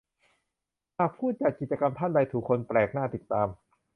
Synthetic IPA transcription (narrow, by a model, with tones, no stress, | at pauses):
haː˨˩k̚pʰuː˥˩t̪̚t͡ɕa˨˩t̪̚ki˨˩t̪t͡ɕa˧ka˧mt̪ʰa˥˩nda˧jt̪ʰuː˨˩kʰːo˧npɾɛː˨˩k̚naː˥˩t̪i˨˩t̪ːaː˧m